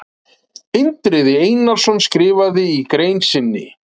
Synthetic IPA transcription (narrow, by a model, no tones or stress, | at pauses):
ɪnt̪ɾɪðɪejnal̥sɔnskɾɪːvaðɪikɾeːjnsɪnːɪ̰